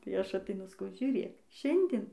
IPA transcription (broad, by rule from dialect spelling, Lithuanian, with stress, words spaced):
tɐɪ ˈɐʃ ɐtʲɛɪˈnʊ sɐˈkɐʊ ʒʲuːˈrʲeːk ˈʃʲɛnʲdʲɪn